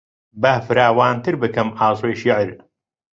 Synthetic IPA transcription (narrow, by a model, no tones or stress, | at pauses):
baːfɨɾaːwaːnt̪ʰɨɾbɨkɐmʔɑːzˤwejʃiʕɾ